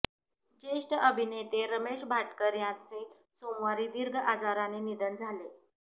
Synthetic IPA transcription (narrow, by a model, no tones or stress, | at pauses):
d͡ʑeʂʈəʔəbʱinet̪eɾəmeɕbʱaʈkəɾjant͡se | somʋaɾiːd̪iɾɡʱəʔad͡zaɾaninid̪ənd͡zʱale